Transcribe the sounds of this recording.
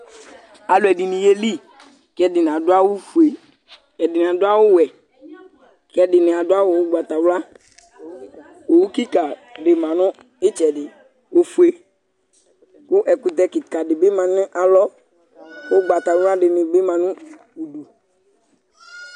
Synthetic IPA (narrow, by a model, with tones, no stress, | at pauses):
a˨lʊ˨ɛ˨di˨nĩ˨je˦li˦ | kɛ˦dɪ˨ñ˨a˨dʊ˦a˦wo˦fu˨e˨ | ɛ˨dɪ˨nɪ̃˨a˨dʊ˦a˦wo˦wɛ˨ | kɛ˦dɪ˨nɪ̃˨a˨dʊ˦a˦wo˨wo˦ɡ͡ba˨t̪a˨wla˦ | wo˨wu˦ki˦ka˨ɖɪ˨mã˨nɔ̃˦ | e˦t͡ʃɛ˨dɪ˨ | wo˦fu˦e˦ | kʊ˦ʔɛ˨ku˦t̪ɛ˦kɪ˨ka˨ɖɪ˨be˦mã˨nɪ̃˦ʔa˨lɔ˦ | wo˦ɡ͡ba˨t̪a˨wla˦ɖɪ˨nɪ̃˨be˦mã˨nũ˦ | u˨du˨